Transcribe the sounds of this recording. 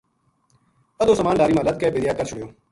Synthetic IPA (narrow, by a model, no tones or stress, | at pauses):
əd̪oːsəmaːnɖaːɾiːmaːlət̪̚kɛːbeːɾɪjaːkəɾt͡ʃʰʊɽɪjoː